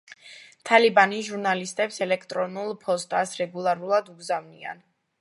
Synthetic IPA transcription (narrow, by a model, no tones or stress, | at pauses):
t̪ʰalibaniʒuɾnalist̪ʼɛpsɛlɛkʰt̪ʼɾɔnulˠpʰɔst̪ʼasɾɛɡulˠaɾulˠad̪uɡzavnḭa̰n